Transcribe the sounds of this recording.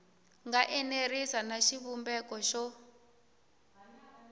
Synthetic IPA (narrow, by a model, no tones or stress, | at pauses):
ŋɡaʔɛnerisanaʃiβumbɛkɔʃɔ